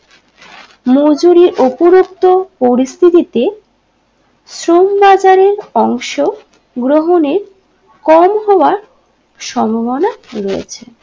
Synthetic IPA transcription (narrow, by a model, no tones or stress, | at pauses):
mod͡ʑuɾiɾopuɾokt̪opoɾist̪ʰit̪it̪e | sɾombad͡ʑaɾeɾɔŋʃo | ɡɾoɦoneɾ | kɔmɦɔaɾ | ʃɔmʱobonaɾojḛt͡ɕʰe